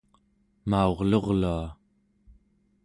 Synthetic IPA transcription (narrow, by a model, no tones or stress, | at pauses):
maoʁlo̞ʁlua